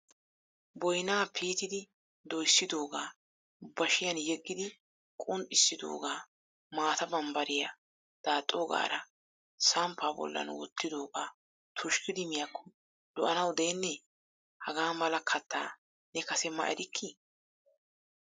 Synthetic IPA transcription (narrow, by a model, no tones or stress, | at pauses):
bɔjnaːpʰiːt̪ɪd̪ɪ | d̪ɔjsːɪd̪o̞ːɡaː | bɐʃɪjɐnjɛɡːɪd̪ɪ | kʼʊnt̪ʼːɪsːɪd̪o̰ːɡaː | maːt̪ɐbɐmbɐɾɪjɐ | d̪̥aːt̪ʼːoːɡa̰ːɾɐ | sɐmpːaːbɔ̰lːɐ̰nwɔ̰t̪ːɪd̪o̞ːɡaː | t̪ʰʊʃkɪd̪ɪmɪjakʰːɔ̥ | lɔʔɐnɐwd̪e̞ːnːɛ | hɐɡaːmɐlɐkʰɐt̪ːa̰ː | nɛkɐsɛmɐ̰ʔɛɾɪkʰːi